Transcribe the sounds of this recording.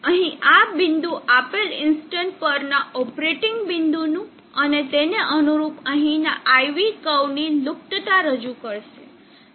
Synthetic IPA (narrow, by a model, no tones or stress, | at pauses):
əɦĩabɪnd̪uʔapelɪnsʈəɳʈ̚pəɾnaʔɔpɾeʈɪŋɡbɪnd̪unũ | ənet̪eneʔənuɾupəɦĩna̰ʔaiʋikəwnilʊk̚ʈət̪aɾəd͡ʒukəɾʃe